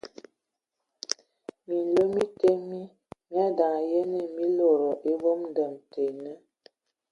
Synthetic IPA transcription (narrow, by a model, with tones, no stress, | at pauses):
mi˨n˨lo˦mi˦te˦mi˦ | mja˦da˨ŋ˨je˦ne˨mi˦lo˨ɾɔ˨ʔe˦bo˦mn˦də˨mte˨nə˦